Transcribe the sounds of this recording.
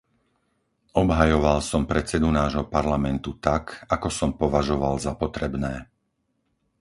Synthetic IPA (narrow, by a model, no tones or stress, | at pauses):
ʔɔbɦajɔʋalsɔmpɾɛt͡sɛd̪unaːʒɦɔpaɾlamɛnt̪ut̪akakɔsɔmpɔʋaʒɔʋalzapɔt̪ɾɛbnɛː